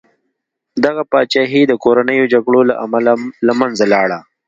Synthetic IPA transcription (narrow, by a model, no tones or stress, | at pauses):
d̪aɣapɑːt͡ʃɑɦid̪əkoɾanəjod͡ʒaɡɽolaʔamallamanzalɑːɽa